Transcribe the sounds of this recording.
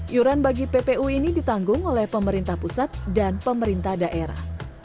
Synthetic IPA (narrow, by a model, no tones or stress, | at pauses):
ʔjuɾanbaɡipepeʔuinidit̪aŋɡʊŋolɛhpəməɾint̪ahpusat̪̚danpəməɾint̪ahdaʔeɾa̰h